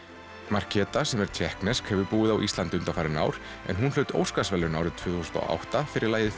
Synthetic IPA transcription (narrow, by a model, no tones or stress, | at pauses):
mar̥cʰɛːt̪asɛmɛɾ̥t̪ʰjɛhknɛskhɛvʏpuːɪðawʔist̪ant̪ʏnt̪afaːɾɪna̰ːwɾ̥ | ɛ̰nɦunlœːɥt̪o̰ːwskasvɛlːʏnaːwɾɪðt̪ʰv̥ʏːθusʏ̥nt̪ɔ̰ʔa̰wht̪afɪɾʔɪɾlaːjðɪ